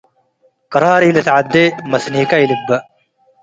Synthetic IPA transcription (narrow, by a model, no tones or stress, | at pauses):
qɑɾˤɑːɾiːlɐt̪ʕad̪ːemɐsniːkajlibːɐ